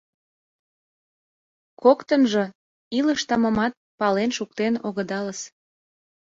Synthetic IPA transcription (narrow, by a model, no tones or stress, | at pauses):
kokt̪ənʒə̆ | iləʃt̪ɑmə̆mɑt̪̚pɑlenʃuk̚t̪enoɣəd̪ɑləs